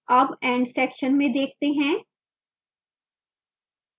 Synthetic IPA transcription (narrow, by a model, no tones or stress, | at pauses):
ɐbɛ̃ːɳɖsɛːkʃənmẽd̪eːk̚ʰt̪eɦɛ̃ː